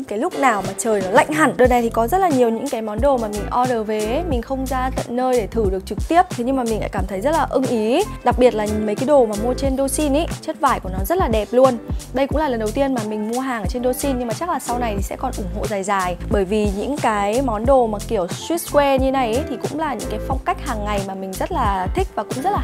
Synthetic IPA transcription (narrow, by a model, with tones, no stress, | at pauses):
ŋkaː˨˦jlʊ˦˥k͡p̚naː˨˩wmaː˨˩t͡ɕəː˨˩jɔ˨˦la̰˧˨jŋ̟ɦa˨˧˩ŋɗəː˨˩na˨˩jt̪ʰi˨˩kɔ˨˦zə˦˥t̚laː˨˩ɲi˨˩əwɲɨ̰˧˥ŋkaː˨˦jmɔ˨˦nɗo˨˩maː˨˩mï˨˩ŋ̟ʔɔ˧ɗəː˨˩ve˨˦mï˨˩ŋ̟xə˧wŋ͡mzaː˧t̪ə̰˧˨nːəː˧jɗe˧˩t̪ʰɨ˧˩ɗɨ˨˩ək̚t͡ɕɨ˨˩k̚t̪i˦˥əp̚t̪ʰe˨˦ɲɨ˧ŋmaː˨˩mi˨˩ŋ̟la̰ː˧˥kaː˧˩mt̪ʰə˨˦jzə˦˥t̚laː˨˩ʔɨ˧ŋʔi˨˦ɗa˨˩k̚ɓi˨˩ət̚laː˨˩mə˨˦jka˨˦jɗo˨˩maː˨˩mu˧ət͡ɕe˧nɗo˧si˧nʔe˨˦t͡ɕə˦˥t̚vaː˧˩jku˧˩ənɔ˨˦zə˦˥t̚laː˨˩ɗɛ˨˩p̚lu˧ənɗə˧jkʊ̰˧˥ŋ͡mlaː˨˩lə˨˩nɗə˨˩wt̪i˧ənmaː˨˩mï˨˩ŋ̟mu˧əɦaː˨˩ŋʔəː˧˩t͡ɕe˧nɗo˧si˧nɲɨ˧ŋmaː˨˩t͡ɕa˦˥k̚laː˨˩sa˧wna˨˩jt̪ʰi˨˩sɛ̰˧˥kɔ˨˩nʔʊ˧˩ŋ͡mɦo̰˧˨zaː˨˩jzaː˨˩jɓəː˧˩jvi˨˩ɲɨ̰˧˥ŋkaː˨˦jmɔ˨˦nɗo˨˩maː˨˩ki˧˩əwswt̚skwɛ˧ɲɨ˧na˨˩jt̪ʰi˨˩kʊ̰˧˥ŋ͡mlaː˨˩ɲɨ̰˧˥ŋkaː˨˦jfa˧wŋ͡mka˦˥k̚haː˨˩ŋːa˨˩jmaː˨˩mï˨˩ŋ̟zə˦˥t̚laː˨˩t̪ʰï˦˥k̚vaː˨˩kʊ̰˧˥ŋ͡mzə˦˥t̚la˨